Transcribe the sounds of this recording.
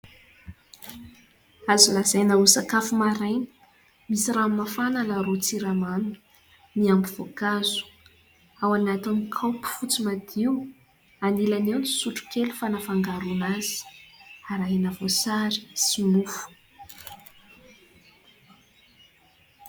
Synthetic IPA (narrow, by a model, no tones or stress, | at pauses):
azulazajnausakafumaɾajnə̥ | misiramafananaɾut͡siɾamanuu̥ | niambiv̥okazu̥ | awanat̪inikʰawpi̥fut͡simad̪iw | anilanewnisuʈ͡ʂu̥kelufanafaŋɡaɾunaz̥i̥aɾaɦenəvosaɾi̥sinufu̥